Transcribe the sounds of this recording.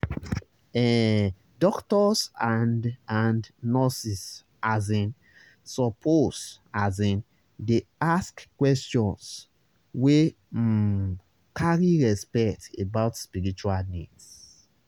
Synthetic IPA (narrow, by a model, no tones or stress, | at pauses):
ɛ | dɔktɔsãnãndnɔsis | azĩn | sɔpʰos | azĩn | deaskkwɛstɔ̃ns | we | kʰaɹiɹɛspɛktebaʊtspiɹit͡ʃualnits